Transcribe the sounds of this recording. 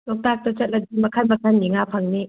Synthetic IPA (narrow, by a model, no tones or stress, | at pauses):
lɔk̚tak̚tɐt͡ʃɐt̚lɐdimɐkʰanbakʰanniŋapʰaŋni